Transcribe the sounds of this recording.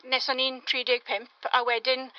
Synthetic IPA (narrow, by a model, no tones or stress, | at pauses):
nɛsanintʰɹiːdeɡ̥̚pʰɛmpʰa̰wɛdən